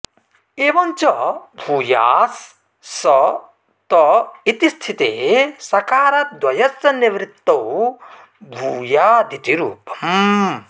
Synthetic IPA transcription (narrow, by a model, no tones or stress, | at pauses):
eːʋɐnt͡ʃɔbʱuːja̰ːs | sɐ | t̪ɔit̪ist̪ʰit̪eːsɐkaːɾɐd̪wɐjɐsɐniʋɾit̪ːɐw | bʱuːjaːd̪it̪iɾuːpɐm